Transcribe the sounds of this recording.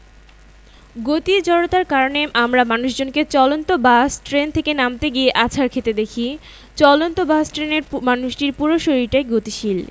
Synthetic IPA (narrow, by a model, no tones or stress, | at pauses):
ɡot̪id͡ʑɔɽot̪aɾkaɾoneʔamɾamanuʃd͡ʑonket͡ɕɔlont̪obasʈɾent̪ʰekenamt̪eɡieʔat͡ɕʰaɾkʰet̪ed̪ekʰi | t͡ɕɔlont̪obasʈɾeneɾmanuʃʈiɾpuɾoʃoɾiʈaeɡot̪iʃil